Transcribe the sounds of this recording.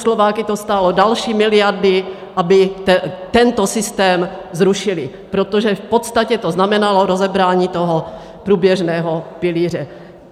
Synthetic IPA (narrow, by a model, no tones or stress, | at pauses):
slovaːkɪt̪ost̪alodalʃiːmɪlɪjaɾdɪ | ʔabɪt̪ɛnt̪osɪst̪ɛːmzɾuʃɪlɪ | pɾot̪oʒɛfpot̪st̪acɛt̪oznamɛnaloɾozɛbɾaːɲiːt̪oɦo | pɾuːbjɛʒnɛːɦopɪliːr̝ɛ